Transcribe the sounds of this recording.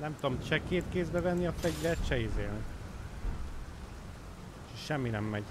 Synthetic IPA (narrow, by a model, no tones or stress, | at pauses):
nɛmt̪uomt͡ʃɛkeːt̪keːzbɛvɛnːiɒt̪ːɛɟvɛt̪ʃɛizeːlni | ʃʃɛmːinɛmːɛɟ